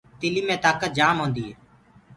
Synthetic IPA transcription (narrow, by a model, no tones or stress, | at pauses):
t̪ɪliːmẽːt̪aːkət̪̚d͡ʒaːmɦõːnd̪iːɦeː